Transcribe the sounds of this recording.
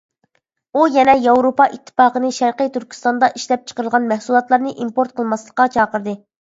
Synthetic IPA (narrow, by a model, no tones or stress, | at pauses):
ujɛnɛjɑwɾopɑʔit̪ʰːɨ̥fɑːqənɨʃæɾqəjt̪yɾkʲʰi̥st̪ɑnd̪ɑʔiʃlɛp̚t͡ʃʰə̥qəɾəlˠʁɑnmɛhsulˠɑt̪lˠɑɾnɨʔimpoɾt̪̚qʰəlˠmɑslˠəqːɑt͡ʃʰɑːqəɾd̪ɨ